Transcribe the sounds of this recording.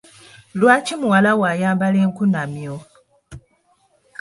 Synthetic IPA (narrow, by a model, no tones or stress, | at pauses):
lwaːcimuwalawajaːmbaleːŋkunamjo